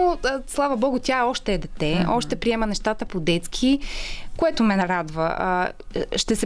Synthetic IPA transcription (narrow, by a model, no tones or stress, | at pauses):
oslˠavɐbɔɡʊt̪ʲaɔʃt̪ɛːd̪ɛt̪ɛɔʃt̪ɛpɾiɛmɐnɛʃt̪at̪əpod̪ɛt̪skʰikoɛt̪ʊmɛnɐɾad̪və̰ | ʃt̪ɛsɛ